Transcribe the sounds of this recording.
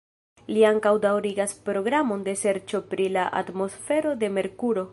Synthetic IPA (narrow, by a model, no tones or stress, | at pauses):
liaŋkawdawɾiɡaspɾo̞ɡɾamo̞nde̞se̞ɾt͡ʃo̞pɾilaʔa̰tmo̞sfe̞ɾo̞de̞me̞ɾkuɾo̞